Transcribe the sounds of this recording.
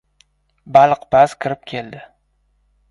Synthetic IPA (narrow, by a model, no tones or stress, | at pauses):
balˠqbazkʲʰɪɾɪp̚kʲʰe̞ld̪ɪ